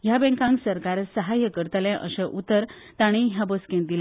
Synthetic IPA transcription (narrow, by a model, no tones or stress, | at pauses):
ɦjabɛ̃ŋkãŋɡsəɾkaɾsəɦajəkəɾt̪əlẽʔə̰ɕəʔut̪ːəɾt̪aɽ̃iɦjabəskẽnd̪ila